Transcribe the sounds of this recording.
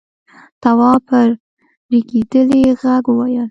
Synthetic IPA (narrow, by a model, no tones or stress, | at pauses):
t̪awɑpʰəɾ | ɾiɡed̪əleɣaɡwɑjəl